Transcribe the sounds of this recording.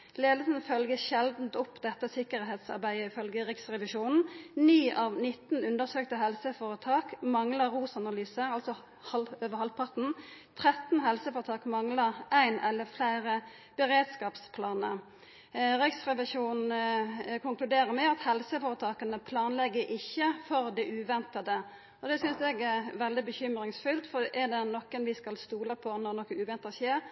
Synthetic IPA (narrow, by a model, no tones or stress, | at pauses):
leːd̪əsənfœlɡəʃɛld̪n̩t̪ɔpːd̪ɛt̪ːəsɪkːəɾɦeːt̪sɑ̰ʁbæɪəɪfœlɡəʁɪksʁɛʋɪʃuːnn̩nyːʔɑːʋnɪt̪ːn̩ʉnd̪əʁsøːkt̪əɦɛlsəfoːɾət̪ʰɑːkmɑŋləʁuːsɑnɑlyːsəʁɑlt̪sɔ | hɑløːʋəhɑl̚pʰɑʁt̪n̩t̪ʰʁɛt̪n̩ɦɛlsəfoːʁət̪ʰɑːkmɑŋləʁʔæɪnɛlːəflæɪʁə | b̥əʁeːd̪skɑːpspʰlɑːnə | ʁɪksʁɛʋɪʂuːn | kʰʊŋklʉd̪eːɾəmɛɑt̪hɛlsəfoːɾət̪ʰɑːkənəpʰlɑːnlɛɡːəɾʔɪçːəfɔɾd̪ɛʔʉːʋɛnt̪ɑd̪ə | ɔd̪ɛsʏnsɛɡɛɾʋɛld̪ɪbəçʏmɾɪŋsfʏlt̪fɔʔɛd̪ɛnɔkːənʋɪskɑlst̪uːləpʰɔnɔʁnɔkːəʉːʋɛnt̪ɑɕeːʁ